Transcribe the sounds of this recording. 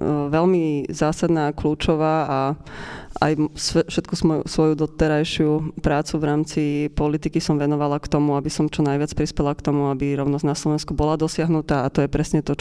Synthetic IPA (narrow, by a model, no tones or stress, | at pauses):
ʋɛlmizaːsad̪naːkluːt͡ʃɔʋaːa | a̰jsfʃɛt̪kusmɔjṵsʋɔjud̪ɔt̪ɛɾajʃɪupɾaːt͡suʋɾaːmt͡sipɔlit̪ikisɔmʋɛnɔʋalakt̪ɔmuabisɔmt͡ʃɔnajʋɪat͡spɾispɛlakt̪ɔmuabiɾɔʊnɔznaslɔʋɛnskubɔlad̪ɔsɪaɦnut̪aːt̪ɔjɛpɾɛsɲɛt̪ɔ